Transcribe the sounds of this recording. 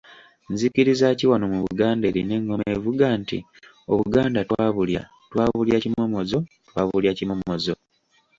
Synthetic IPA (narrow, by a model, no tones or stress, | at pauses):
nzikiɾizaciwanomuβuɡaːnde̞ːɾine̞ŋɡo̞mevuɡaːntḭ | o̞βuɡaːndatwaːβulja̰ | twaːβuljacimomozo̞ | twaːβuljacimomozo